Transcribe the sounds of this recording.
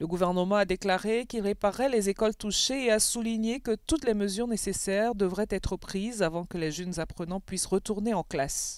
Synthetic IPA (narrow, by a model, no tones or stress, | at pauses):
ləɡuvɛʁnəmɑ̃ad̪eklaʁekʲilʁepaʁɛlezekɔlt̪uʃeːasuliɲekət̪ut̪lɛməzyʁnesesɛʁd̪əvʁɛt̪ɛt̪χəpχizavɑ̃kəleʒənzapχənɑ̃pɥisʁət̪uʁneɑ̃klas